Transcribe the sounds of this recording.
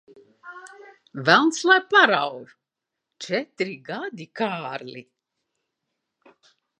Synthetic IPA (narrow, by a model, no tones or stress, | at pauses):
vælˠnslˠajpaɾawv | t͡ʃɛt̪ɾiɡad̪ikaːɾlʲḭ